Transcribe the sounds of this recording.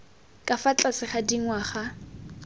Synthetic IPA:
kʼafat͡ɬʼasɪχadiŋ̩waχa

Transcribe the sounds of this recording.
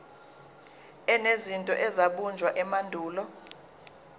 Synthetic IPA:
ɛnezintʼɔ̰ʔɛzaɓund͡ʒʱwaʔɛmandʱuːlɔ

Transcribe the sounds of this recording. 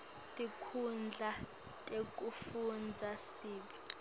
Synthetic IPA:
tʼikʰund͡ɮʱa | tʼek̬ʼufund͡zʱasiːɓi

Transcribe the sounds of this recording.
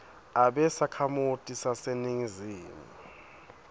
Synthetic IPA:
aɓɛsakʰamutʼisaseniŋiziːmu

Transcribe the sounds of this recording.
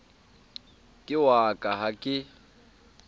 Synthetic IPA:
kʼɪwakʼaɦakʼɪ

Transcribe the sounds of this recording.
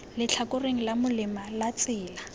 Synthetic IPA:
lɪt͡ɬʰakʊreŋ̩lamʊlɪmalat͡sʼɪːla

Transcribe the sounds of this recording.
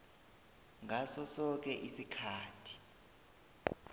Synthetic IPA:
ŋʱasɔsɔk̬ɛʔisikʰaːtʰi̥

